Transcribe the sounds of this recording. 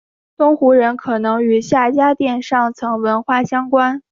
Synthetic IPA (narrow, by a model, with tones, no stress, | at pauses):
t̪ʊ˥ŋxu˧˥ɻə˧˥nkʰɤ˨˩nɤ˧˥ŋy˨˧˩ɕja˥˩t͡ɕja˥t̪jɛ˥˧nʂɑ˥˩ŋt͡sʰɤ˧˥ŋwə˧˥nxwa˥˩ɕjɑ˥ŋkwa˥n